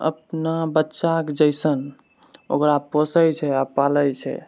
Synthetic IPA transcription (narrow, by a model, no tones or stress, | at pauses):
ə̰pnabətːʃakd͡ʒəjsən | o̰kɾaposəjt͡ʃʰɛapaləjt͡ʃʰɛ̰